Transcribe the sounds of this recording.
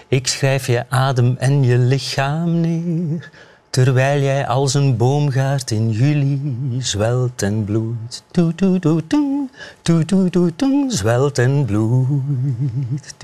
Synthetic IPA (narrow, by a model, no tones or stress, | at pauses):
ɪksxrɛjfjəʔaːdəmɛnjəlɪxaːmneːr | tərʋɛjlˠjɛjʔɑ̰lˠsənboːwmɣaːrtɪnjylizwɛlˠtɛnbluttutututuntutututunzwɛlˠtɛnblu | t